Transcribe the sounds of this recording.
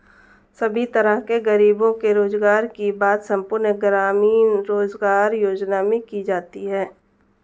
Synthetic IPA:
sɐbʱit̪əɾəɦkeɡəɾiːbõkeɾoːzɡaːɾkibaːt̪sɐ̃mpʊɾnəɡɾaːmiːnɾoːzɡaːɾjoːd͡ʒnamẽkid͡ʒaːt̪iɦɛː

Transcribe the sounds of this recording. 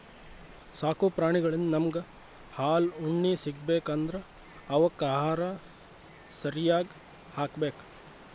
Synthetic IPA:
saːkuːpɾaːɳiɡɐɭɐnnɐmɡɐ | haːluɳːiːsiɡbeːkɐnd̪ɐɾɐ | ɐʋɐkːaːɦaːɾa | sɐɾijaːɡ | haːkbeːk

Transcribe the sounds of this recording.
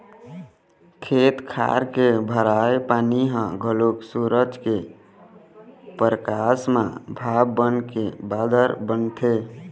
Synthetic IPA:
kʰet̪kʰa̰ɾkebʱəɾaepaːniɦə̃ɡʱəloksuɾəd͡ʒke | pəɾəkasmã̰bʱabːənkebad̪əɾbənt̪ʰe

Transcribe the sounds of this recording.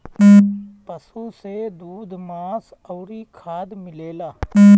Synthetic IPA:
pəsused̪uːd̪ʱmãːs | əːɾikʰaːd̪mɪleːlaː

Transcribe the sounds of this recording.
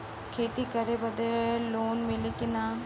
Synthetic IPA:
kʰeːt̪ikɐɾebɐd̪eloːnmɪlekɪnaː

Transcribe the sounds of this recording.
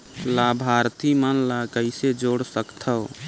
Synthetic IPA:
labʱaɾt̪imənlakəɪsed͡ʒoɽsəkt̪ʰəʊ

